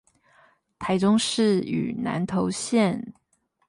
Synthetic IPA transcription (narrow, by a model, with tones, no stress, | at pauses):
t̪ʰa˧˥ɪʈ͡ʂʊ˥ŋʂɻ̩˥˩y̰˨˩na̰˧˥nt̪ʰo˧˥ʊɕjɛ˥˩n